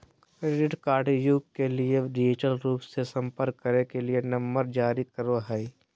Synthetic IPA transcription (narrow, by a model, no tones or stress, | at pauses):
kɾeːɖɪʈkaːɾɖjuɡkelieɖɪd͡ʒɪʈəlɾuːpsesə̃mpəɾkːəɾekelienɐ̃mbəɾd͡ʒaːɾikəɾoɦɛi